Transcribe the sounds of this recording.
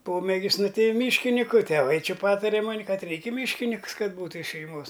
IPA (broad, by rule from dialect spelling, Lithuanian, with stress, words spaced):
ˈpoːmʲeːɡʲɪs ˈnʊ ˈtɐɪ ˈmʲiːʃʲkʲɪnʲɪkʊ tʲɛˈʋɐɪ ˈt͡ʃʲɪ ˈpɑːtɐrʲɛ ˈmoːnʲɪ ˈkɐt ˈrʲɛɪkʲ ɪ ˈmʲiːʃʲkʲɪnʲɪks ˈkɐt ˈbuːtʊ ɪʃ ʃʲɛɪˈmoːs